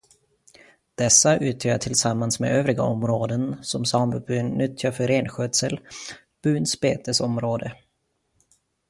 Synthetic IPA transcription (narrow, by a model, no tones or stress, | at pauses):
d̪̥ɛsːaʔʉ̟ːt̪ʰjœːaʈʰɪlsamːansmḛøːvɾɪɡa̰ɔmɾoːd̪ənsɔmsɑːmbəbʉ̟ːnnʏt̪ʰjafœɾeːnɧøːd̪səl | b̥ʉ̟ːnspeːt̪əsɔmɾoːd̪ə